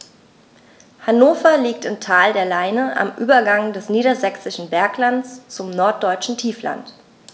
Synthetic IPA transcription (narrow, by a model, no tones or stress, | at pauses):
hanoːfɐliːk̚tɪmtʰaːldeːɐlaɪnəʔa̰mʔyːbɐɡaŋdɛsniːɾɐzɛksɪʃn̩bɛɐklant͡st͡sʊmnɔɐt̚d̥ɔʏt͡ʃn̩tʰiːfla̰nt